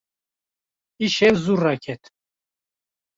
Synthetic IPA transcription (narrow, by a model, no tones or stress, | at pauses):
iʃɛwzurːakʰɛt̪ʰ